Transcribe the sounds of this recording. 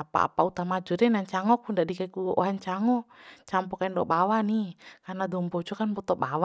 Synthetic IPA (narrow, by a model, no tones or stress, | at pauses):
apa̰a̰paut̪amad͡ʒɔdɛnaɲt͡ʃaŋɔkundadikaikuʔɔ̰ɦaɲt͡ʃaŋɔt͡ʃampɔkaindɔbawanikarnadɔmbɔd͡ʒɔkanbɔt̪ɔbawa